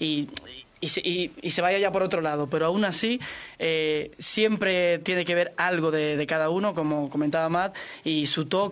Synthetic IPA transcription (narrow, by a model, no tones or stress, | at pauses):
i | isiise̞β̞aʝaʝapo̞ɾo̞t̪ɾo̞laðo̞pe̞ɾoaunasiesje̞mpɾe̞t̪je̞neke̞βe̞ɾalɣ̞o̞ðe̞ð̞e̞kaðauno̞ko̞mo̞ko̞mẽnt̪aβamat̪isut̪o̞k